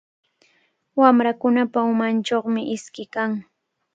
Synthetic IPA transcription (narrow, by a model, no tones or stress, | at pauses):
wamɾakʊnapaʊmant͡ʃoχmɪʔɪskɪkaŋ